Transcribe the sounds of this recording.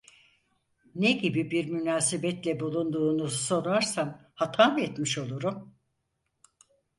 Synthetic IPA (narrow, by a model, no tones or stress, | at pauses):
neɟibibiɾmynaːsebɛt̪lʲɛbulˠund̪uːnuso̞ɾaɾsamhat̪ʰanɛt̪miʃo̞lˠuɾum